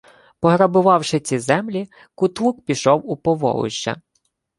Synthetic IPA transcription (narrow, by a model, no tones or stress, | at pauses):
pɔɦɾɐbʊʋɑwʃɪt͡sʲizɛmlʲi | kʊt̪uk̚pʲiʃɔwupɔʋɔ̰lˠʊ̰ʃt͡ʃɐ̰